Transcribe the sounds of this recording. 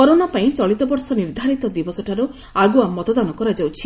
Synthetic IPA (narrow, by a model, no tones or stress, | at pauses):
kɔɾonapaĩt͡ʃɔɭit̪ɔbɔɾsɔniɾd̪ʱaɾit̪ɔd̪ibɔsɔʈʰaɾu | aɡuamɔt̪ɔd̪anɔkɔɾad͡ʒawt͡ʃʰi